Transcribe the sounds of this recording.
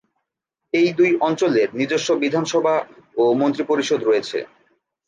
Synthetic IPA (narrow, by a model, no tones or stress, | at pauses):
ejd̪ujɔnt͡ɕoleɾniɾd̪oʃːobid̪ʱanʃɔbʱaomont̪ɾipoɾiʃod̪ɾoet͡ɕʰḛ